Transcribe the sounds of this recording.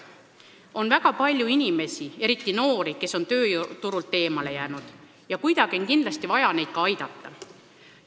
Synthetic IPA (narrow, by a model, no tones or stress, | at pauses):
o̞nvæɡ̥ɑpɑlʲjuinʲime̞sie̞ɾit̪ːˑino̞ːɾike̞sːo̞nt̪ø̞ːt̪uɾult̪ːe̞ːmɑle̞jæːnud̪̥ | jɑkujd̪ɑɡ̥io̞nkind̪lɑst̪ivɑjɑne̞jd̪̥kɑɑjd̪̥ɑt̪ːɑ